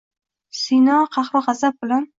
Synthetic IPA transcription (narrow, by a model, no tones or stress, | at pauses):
sinɒqʰɑχɾɪʁɑzab̚bɪlan